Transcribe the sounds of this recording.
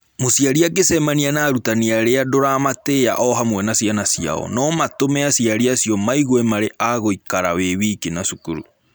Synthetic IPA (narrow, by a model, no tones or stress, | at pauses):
mosijaɾiak̬esɛmanianaːɾutaniaɾeadoɾamatea̰ʔɔɦamwɛnasianasia̰ɔ̰nɔmatomɛasiaɾiasijɔmaiɣoɛmaɾeʔaɣoikaɾaweβiːkenasukṵɾṵ